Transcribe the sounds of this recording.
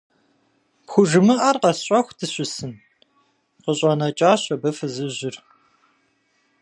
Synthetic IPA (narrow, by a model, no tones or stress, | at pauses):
pxʷʊʒɨmɨʔarqɐsɕʼɐxʷtʰɨɕʼɪsɨn | qəɕʼɐnɐt͡ʃʼaːɕʼɐbɐfɨzɨʑɪr